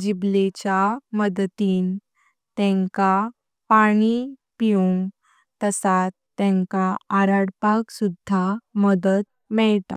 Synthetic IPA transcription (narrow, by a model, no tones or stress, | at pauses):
d͡ʑiblet͡ɕaməd̪t̪iːn | t̪ɛ̃ŋka | paɽ̃ipiuŋɡ | t̪əsat̪ːɛ̃ŋkaːɾaɽpaksud̪ʱːaməd̪ət̪̚ | mɛɭt̪a̰